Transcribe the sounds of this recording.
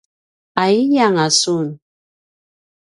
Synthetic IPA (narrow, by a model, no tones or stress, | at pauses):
aijaŋasun